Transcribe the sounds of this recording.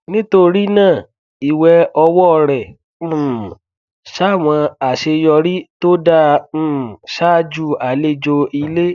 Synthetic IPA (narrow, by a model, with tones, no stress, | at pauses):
nĩ˦to˦˧ɾi˦nãː˦˨ | i˨wɛ˧ɔ˧wɔ˦˧ɾɛ̃˨˦˨ | ʃa˦˨w̃ɔ̃˧a˨ʃe˧jɔ˧ɾi˦to˦dã˦˨ | ʃa˦d͡ʒu˦˨a˨le˦d͡ʒo˧i˧le˦